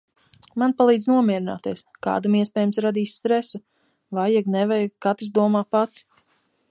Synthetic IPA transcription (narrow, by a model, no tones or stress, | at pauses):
manpalˠiːd̪znuɔmʲiɛɾina̰ːt̪iɛska̰ːd̪amiɛspɛːjmsɾad̪iːsʲst̪ɾɛsu | vajaɡnɛvɛjkat̪isd̪uɔmaːpat̪s